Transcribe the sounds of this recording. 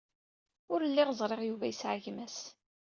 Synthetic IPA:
ʊɾlːiɪʁəzˤɾˤeʁjuvæjəsʕəʝmæs

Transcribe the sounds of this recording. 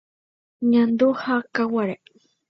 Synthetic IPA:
ɲãnd̪uhakawaɾa

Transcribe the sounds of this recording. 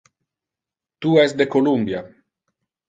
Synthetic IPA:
t̪uɛsd̪ekolumbja

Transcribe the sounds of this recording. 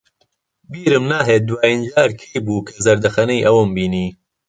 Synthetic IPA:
biːɾɨmnaːɦeːt̪̚d̪waːjind͡ʒaːɾkʰejbuːkʰɐzɐɾd̪ɐxɐnɐjʔɐwɨmbiːniː

